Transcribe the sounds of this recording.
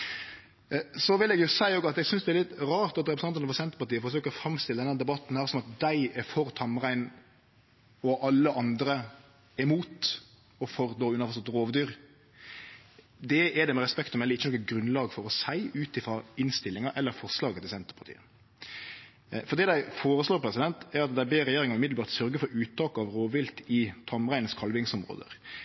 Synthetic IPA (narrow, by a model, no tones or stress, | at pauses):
sɔʋɪlɛɡjʊsæɪoːɡɑt̪ɛɡsʏnsd̪ɛɛɾlɪt̪ɾɑːʁt̪ɑt̪ɾɛpɾəsɑnt̪ənəfɔɾsɛnt̪əɾpɑɾt̪iːəfɔɾs̬øːkəɾɔfɾɑmst̪ɪləd̪ɛnːæd̪ɛbɑt̪ːnhæːɾsɔmɑt̪̚d̪æɪɛɾfɔɾt̪ʰɑmʁæɪn | ɔʔɑlːəʔɑnd̪ɾə | ɛmuːt̪ | ɔfɔɾd̪oːʉnɑfɔsɔt̪ʁoːʋd̪yːɾ | d̪ɛɛd̪ɛmɛʁɛspɛkt̪ɔmɛlːəɾɪçːənɔkːɛt̪̚ɡɾʉnlɑːɡfɔɾɔsæɪʉːt̪ɪfɾɑɪnst̪ɪlːɪŋɑʔɛlːəɾfɔʁʂlɑːɡət̪ʰɪlsɛnt̪əɾpʰɑ̥ɾt̪ḭːə | fɔɾd̪iːd̪æɪfoːɾəsloːɾpʰɾɛsɪd̪ɛnt̪æɾɑt̪d̪æɪbeːɾɛjeːɾɪŋɑʉmɪd̪lbɑːɾt̪sœɾɡəfɔɾʉːt̪ʰːɑːkɑʋɾoːʋʋɪlt̪ɪt̪ʰɑmʁæɪn̩skʰɑlʋɪŋsɔmɾo̰ːd̪ə̰ɾ